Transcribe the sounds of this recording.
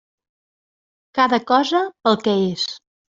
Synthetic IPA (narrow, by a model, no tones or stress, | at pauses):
kaðəkɔzəpəlˠkɛes